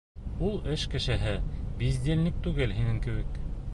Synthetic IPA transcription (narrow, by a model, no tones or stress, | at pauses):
ulˠɘʃkɘ̆ʃɘ̆ɦɘbizʲd̪ʲenlʲɘk̚t̪ʉɡɘlɦinɘŋkɘ̆βɘk